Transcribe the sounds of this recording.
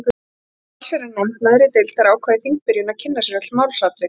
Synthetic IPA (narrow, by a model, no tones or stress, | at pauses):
k | lsɛɾanɛjmt̪naðɾɪt̪ɪlt̪aɾaːwkʰvaːðɪθiŋk̚pɪɾjʏnacʰɪnːasɛɾœt̪maːwlsat̪lvɪ